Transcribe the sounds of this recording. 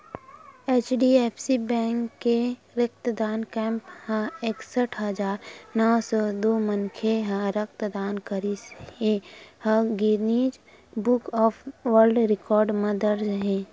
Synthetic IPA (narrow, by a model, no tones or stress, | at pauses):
eːt͡ʃɖiepʰsibɛ̃ːŋkːe | ɾək̚t̪d̪aːnkɛ̃ːmphãeːksəʈʰɦəd͡ʒaːɾnɔːsɔd̪oːmənkʰeɦãɾək̚t̪d̪aːnkəɾisehə̃ɡiɾniːd͡ʒ | bʊkɔːpʋəɾɖɾɪkɔːɾɖmẽd̪əɾd͡ʒɦɛ̃ː